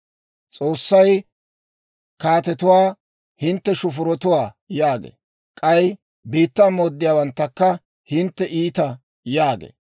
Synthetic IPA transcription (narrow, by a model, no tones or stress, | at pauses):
t͡sʼoːsːɐj | kaːt̪ɛt̪ʊwaː | hɪnt̪ːɛʃʊfʊɾɔt̪ʊwaː | jaːɡḛː | kʼɐj | biːt̪ːamoːd̪ːɪjaːwɐnt̪ːɐkːɐ | hɪnt̪ːɛʔiːt̪ɐ | jaːɡḛː